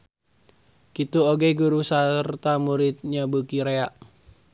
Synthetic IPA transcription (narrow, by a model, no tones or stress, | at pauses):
kit̪uoɡeɡuɾusart̪amuɾɪt̪̚ɲabəkiɾeaʔ